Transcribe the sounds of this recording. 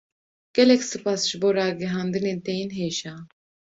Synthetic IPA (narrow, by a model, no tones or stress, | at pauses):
ɡ̥ɛlɛkʲsɨpʰasʒboɾaːɡɛɦand̪ɨnent̪ʰɛjinɦeːʃa